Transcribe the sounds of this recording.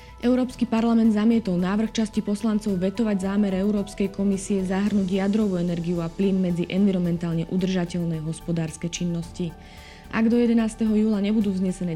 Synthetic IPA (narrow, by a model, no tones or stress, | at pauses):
ʔɛʊɾɔːpskipaɾlamɛnd̪zamɪɛt̪ɔlnaːʋr̩xt͡ʃascipɔslant͡sɔʊʋɛt̪ɔʋaɟzaːmɛɾɛʊɾɔːpskɛjkɔmisiɛzaɦr̩nuːɟjad̪ɾɔʋuːɛnɛɾɡiuaplinmːɛd͡ziʔɛnʋiɾɔmɛnt̪aːlɲɛʔud̪r̩ʒacɛʎnɛɦɔspɔd̪aːɾskɛt͡ʃinːɔsci | ʔa̰ɡd̪ɔjɛd̪ɛnaːst̪ɛɦɔjuːlaɲɛbud̪uːvzɲɛsɛnɛː